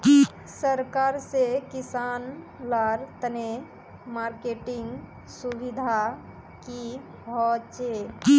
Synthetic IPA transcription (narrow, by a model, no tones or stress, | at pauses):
səɾkaɾsekɪsan | laɾt̪əne | maɾkeʈɪŋɡ | subid̪ʱa | ki | bʱɔt͡ʃe